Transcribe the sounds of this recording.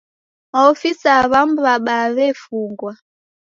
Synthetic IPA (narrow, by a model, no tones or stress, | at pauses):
maɔfisaβam̩βaɓaβɛfuŋɡwa